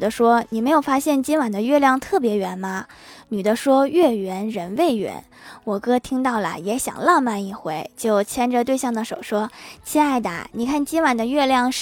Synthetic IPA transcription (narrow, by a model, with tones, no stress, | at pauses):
d̪ə˦ʂwɔ˥ni˨˩me˧˥ɪjo˨˩ʊfa˥ɕjɛ˥˩nt͡ɕi˥nwa˨˩nd̪ə˦ɥɛ˥˧ljɑ˥˧ŋt̪ʰɤ˥˩pjɛ˧˥ɥɛ˧˥nmɐ˧ | ny˨˩d̪ə˦ʂwɔ˥ɥɛ˥˩ɥɛ˧˥nɻə˧˥nwe˥˩ɪɥɛ̰˧˥n | wɔ˨˩kɤ˥t̪ʰi˥ŋt̪ɑ˥˩ʊlə̰˩jɛ˧˥ɕjɑ̰˨˩ŋlɑ˥˧ŋma˥˧ni˥˩xwe˧˥ɪt͡ɕjo˥˩ʊt͡ɕʰjɛ˥nə˨t̪we˥˧ɪɕjɑ˥˩ŋd̪ə˩ʂo˨˩ʊʂwɔ˥t͡ɕʰi˥˧a˥˩ɪd̪a̰˨˩ni˨˩kʰa˥˩nt͡ɕi˥nwa˨˩nd̪ə˦ɥɛ˥˧ljɑ˥˧ŋʂ